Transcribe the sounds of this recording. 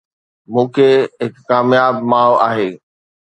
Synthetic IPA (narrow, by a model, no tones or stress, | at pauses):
mũːkʰeːɦɪkːaːmjaːbmaːʋaːɦeː